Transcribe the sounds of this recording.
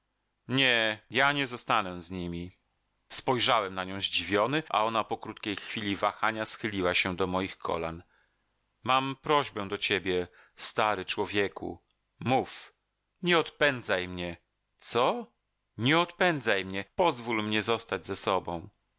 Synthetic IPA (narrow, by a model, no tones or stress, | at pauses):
ɲɛjaɲɛzɔst̪anɛzɲimʲi | spɔjʐawɛmnaɲɔ̃w̃ʑd͡ʑivʲjɔnɘʔa̰ɔnapɔkɾut̪kʲejxfʲilʲivaxaɲasxɘlʲiwaɕɛd̪ɔmɔjixkʰɔ̰la̰n | mampɾɔʑbɛ̃d̪ɔt͡ɕebʲjɛ | st̪aɾɘt͡ʂwɔvʲjɛkṵ | muf | ɲɛɔt̪pɛnd̪zajmɲɛ | t̪sɔ | ɲɛɔt̪pɛnd̪zajmɲɛpɔzvulmɲɛzɔst̪ad͡ʑzɛsɔbɔ̃w̃